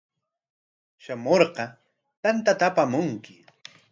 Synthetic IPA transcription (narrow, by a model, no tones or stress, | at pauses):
ʃamoɾqɑ | t̪ant̪at̪apamʊŋkɪ